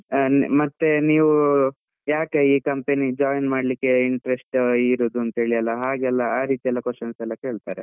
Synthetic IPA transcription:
mɐt̪ːeniːʋu | jaːkeiːkɐmpenid͡ʒaːjnmaːɽlikːe̞iɳʈɐɾesʈiɾoːd̪uɐnt̪ɐɦeːɭijɐlːɐɦaːɡɛlːɐaːɾiːt̪iɛlːɐkweʂt͡ʃɐnsɛlːɐke̞ːɭt̪a̰ːɾe

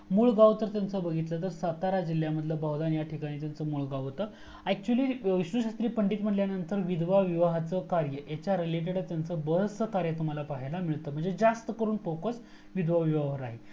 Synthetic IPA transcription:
muːɭɡaʋt̪əɾt̪jant͡səbəɡʱit̪lət̪əɾsat̪aɾad͡ʑil̤ːjaməd̪ʱləbaɦwd̪anjaʈʰikaɽ̃iːt̪̬jant͡səmuːɭɡaʋt̪ə | æk̚t͡ɕuəliːʋiɕnəɕast̪ɾiːpəɳɖiːt̪m̤əʈljanənt̪əɾʋid̪ʋaʋiʋaɦat͡səkaɾjəjat͡ɕjaɾileʈ̬eɽət̪jant͡səbəɦsəkaɾjət̪um̤alapaɦelamiɭt̪əːm̤əɳd͡zed͡zast̪əkəɾuːnfokəs | ʋid̪ʋaʋiʋaʋəɾaɦe

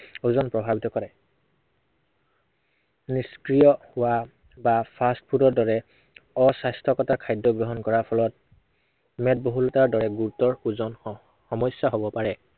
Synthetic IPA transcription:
uzɔnpɹɔbʱabitɔkɔɹɛ | niskɹijɔhʊwa | bapʰastpʰudɔɹdɔɹɛ | ɔsastʰɔkɔtakʰajdɔɡɹɔɦɔnkɔɹapʰɔlɔt̚ | mɛt̚boɦulɔtaɹdɔɹɛɡuɹutɔɹuzɔn | xɔmɔjsjaɦobɔpaɹɛ

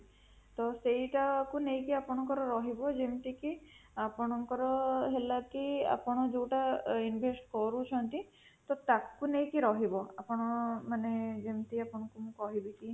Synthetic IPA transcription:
t̪ɔsejʈakunejkiapɔɽ̃ɔŋkɔɾɔɾɔɦibɔd͡ʒemt̪ikiapɔɽ̃ɔŋkɔɾɔɦelakia̰pɔɽ̃ɔd͡ʒewʈainbʱesʈkɔɾut͡ʃʰɔnt̪i | t̪ɔt̪akunejkiɾɔɦibɔapɔɽ̃ɔmaned͡ʒemt̪iapɔɽ̃ɔŋkumũkɔɦibiki

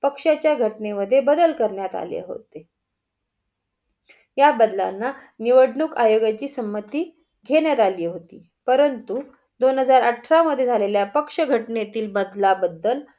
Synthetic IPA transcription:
pəkʂat͡ɕjaɡʱəʈneməd̪ʱːjebəd̪əlkəɾɳjat̪a̰lḛɦo̰t̪e | jabəd̪la̰nːaniʋəɽɳuːkajoɡat͡ɕiːsəmːət̪iː | ɡʱeɳjat̪aliːɦot̪iː | pəɾənt̪u | d̪onɦəd͡zaɾəʈʰɾaməd̪ʱːjed͡zʱaleljapəkʂəɡʱəʈnet̪iːlbəd̪labəd̪ːəl

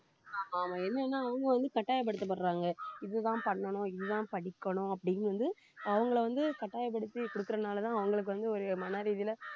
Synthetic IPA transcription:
aːaːmãːɛnːɐnːaːɐʋɐŋɡɐʋɐnd̪ɯkɐʈːaːjɐp̬ːɐɽɯt̪ːɐpːɐɾɾãːŋɡɐɪðɯt̪ãːpɐɳːɐɳʊ̃ɪðɯt̪ãːpɐɽɪkːɐɳʊ̃ɐpːɐɽɪjɯnʋɐnd̪ɯ | ɐʋɐŋɡɐɭʋɐnd̪ɯkɐʈːaːjɐp̬ːɐɽɯt̪ːikɔɽɯkːɯɾɐnaːlɐt̪ãːɐʋɐŋɡɐɭɯk̬ːɯʋɐnd̪ɯɔɾɯmɐnɐɾiːðɪlɐ

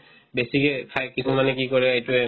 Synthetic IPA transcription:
besikɛkʰajkisumanɛkikɔɹɛejtʊɛ

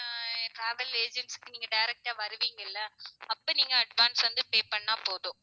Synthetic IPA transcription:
ʈɾaːʋɐleːd͡ʒɛɳʈskːɯniːŋɡɐɖɐɪɾɛk̚ʈaːʋɐɾɯʋiːŋɡɐɪlːɐɐpːoːniːŋɡɐːɖʋaːnsʋɐnd̪ɯpeːpɐɳːaːpoːðʊ̃

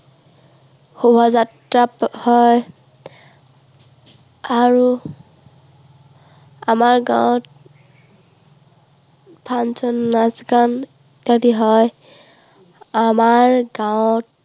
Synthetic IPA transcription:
xubʱɔzatɹaphɔj | aɹu | amaɹɡã̰wt̚ | pʰansɔnːasɡan | tadiɦɔj | amaɹɡawt̚

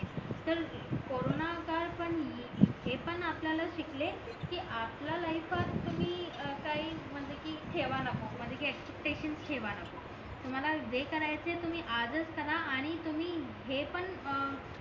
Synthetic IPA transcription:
t̪əɾkoɾonakaɾpəɳ | ɦepəɳapljalaɕikle | kiːʔaplalajfat̪ːum̤iːəkaɦiːm̤əɳd͡zekiːʈ̪ʰeʋanakom̤əɳd͡zekiːekspep̚ʈeɕənst̪ʰeʋanako | t̪um̤alad͡zekəɾajt͡set̪um̤iːʔad͡zət͡skəɾaːɽ̃it̪um̤iː | ɦepəɳ

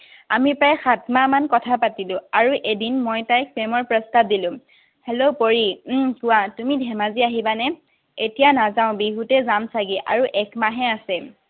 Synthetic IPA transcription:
amipɹajxatmamankɔtʰapatilʊ̃aɹuʔedinmɔjtajk̚pɛmɔɹpɹɔstap̚dilʊ̃ | helopoɹikʊwatumidʱɛmaziaɦibanɛ | etijanazaʊ̃biɦutɛzamsaɡiʔa̰ɹuʔɛkmaɦɛasɛ

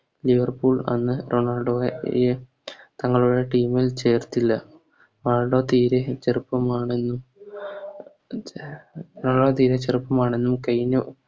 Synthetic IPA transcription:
liʋɐrpuːɭɐ̰nːɨɾo̞ːɳaːɭɖoːje | t̪ɐŋːɐɭuɽe̞ʈiːmilt͡ɕe̞ːrt̪ːilːɐ | ʋaːɭɖoːt̪iːɾet͡ɕerupːɐmaːɳe̞nːum | naːɭɖoːt̪iːɾet͡ɕerupːɐmaːɳe̞nːumkɐjnu

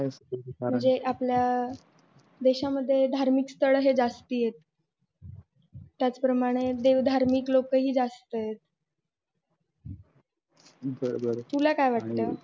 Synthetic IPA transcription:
sməɳd͡zeʔaplja | d̪eɕaməd̪ʱːjed̪ʱaɾmiːkst̪ʰəɭəɦed͡zast̪iːjet̪̚ | jat͡spɾəmaɽ̃ed̪eʋd̪ʱaɾmiklokəɦiːd͡zast̪əjet̪̚ | bəɾbəɾt̪ulakajʋaʈ̚t̪a

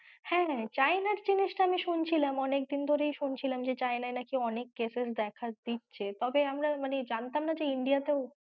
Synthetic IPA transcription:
hɛ̃t͡ɕajnaɾd͡ʑiniʃʈaamiʃunt͡ɕʰilamɔnek̚d̪ind̪ʱoɾejʃunt͡ɕʰilamd͡ʑet͡ɕaenaenakiɔnekːeses̬d̪ɛkʰad̪̥itːɕʰet̪ɔbeamɾamaned͡ʑant̪amnad͡ʑeiɳɖijat̪eo

